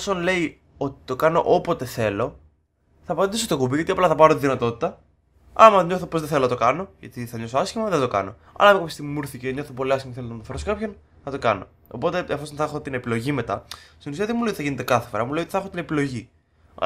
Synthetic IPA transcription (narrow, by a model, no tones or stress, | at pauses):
osonle̞i | o̞t̪i̥t̪o̞kɐno̞̰ʔopo̞t̪e̞θe̞lo̞ | θɐpɐnd̪isost̪okubiʝɐt̪iɐplɐθɐpɐɾot̪iðinɐt̪o̞t̪i̥t̪ɐ | ɐ̰mɐɲo̞θopozðeθe̞lonɐt̪o̞kɐno̞ʝɐ̰t̪iθɐɲo̞soɐsçimɐðed̪o̞kɐ̰no̞̰ | ɐ̰lɐekopist̪iɣmimuɾθiceɲo̞θopo̞liɐskçimɐkeθelt̪nɐt̪ɐfeɾos̬kɐpçon | nɐt̪o̞kɐno̞̰ | o̰po̞t̪e̞ɐfosonθexo̞t̪ine̞pilo̞ʝime̞t̪ɐ̰st̪inusiɐðemulejot̪iθɐʝine̞t̪e̞kɐθefo̞̰ɾɐmule̞jot̪i̥θɐxot̪inepilo̞ʝi